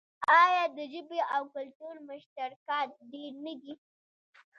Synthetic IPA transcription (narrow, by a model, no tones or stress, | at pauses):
ɑjɑd̪əʒəbeʔawkʊlʈuɾmʊʃt̪aɾkɑt̪̚ɖeɾnəd̪i